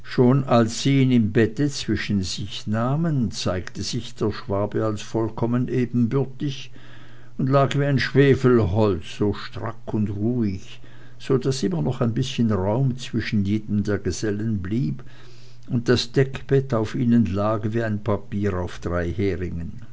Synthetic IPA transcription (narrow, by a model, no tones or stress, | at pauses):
ʃoːnalsːiːiːnɪmbɛtət͡sv̥ɪʃənzɪçnaːmənt͡saɪktəz̥ɪçd̥eːɐʃv̥aːbəalsfɔlkʰɔmənʔeːbn̩bʏɐtɪç | ʊndlaːɡviːaɪnʃv̥eːfl̩ɦɔlt͡sz̥oːʃtʁ̥a̰kʰʊndʁuːɪç | z̥oːdasʔɪmɐnɔχaɪnbɪsçənʁaʊmt͡sv̥ɪʃn̩jeːdəm̩deːɐɡəz̥ɛlənbliːb | ʊnt̚d̥asd̥ɛkb̥ɛtaʊfiːnənlaːɡviːaɪnpʰapiːʁaʊfd̥ʁaɪheːʁɪŋən